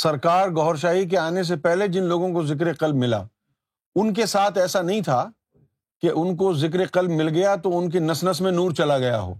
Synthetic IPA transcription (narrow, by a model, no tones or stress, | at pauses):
sɐɾkaːɾɡɔɦɾʃ̬aːik̬eaːnes̬epɛɦled͡ʒɪnloːɡõkozɪk̬ɾeqɐlb̚mɪla̰ː | ʊnk̬esaːt̪ʰɛːsanɐɦĩt̪ʰa | keʔʊnkozɪk̬ɾeqɐlbmɪlɡɐjat̪oʊnk̬enɐsnəsmẽnuːɾt͡ʃɐlaɡɐja̰ɦo̰ː